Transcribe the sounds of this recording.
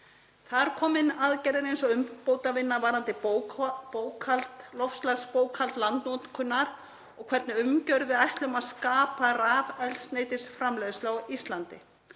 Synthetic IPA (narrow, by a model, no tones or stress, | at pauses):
θaɾ̥kʰɔːmɪnaðcɛɾɪɾejnsɔʏmpoːwt̪avɪnːavaːɾant̪ɪ | poːwkʰalt̪lɔfslaɣspoːwkʰhalt̪lant̪nɔt̪kʰʏnːaɾ | ɔɣkʰvɛɾt̪nɪʏmcœɾðvɪðajht̪lʏmaðskaːparaːvɛlsneːjt̪ɪsfɾamlɛːðʏslawist̪lant̪ɪ